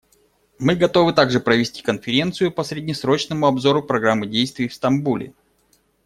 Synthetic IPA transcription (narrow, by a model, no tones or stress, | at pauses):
mɨɡɐt̪o̞vɨt̪aɡʐɨpɾəvʲɪsʲtʲi̥kənfʲɪɾʲe̞nt̪sɨjʊpəsɾʲɪdʲnʲɪsɾo̞t͡ɕnəmʊɐbzo̞ɾʊpɾɐɡɾamːɨdʲejst̪vʲɪːfst̪ɐmbulʲɪ̰